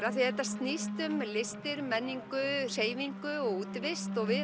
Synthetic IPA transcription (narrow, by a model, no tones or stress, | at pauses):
ɾaθiɛt̪ːast̪nist̪ʏmlɪst̪ɪɾmɛnːiŋkʏr̥eːjviŋkʏɔɣuːt̪vɪst̪ɔɣvɪ